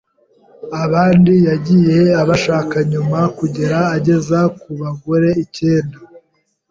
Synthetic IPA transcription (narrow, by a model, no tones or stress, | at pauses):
aβaːndijaɟije̞aβaʃaːkaɲumakuɟe̞ɾaːɟe̞zakuβaɡoɾe̞ice̞ːnda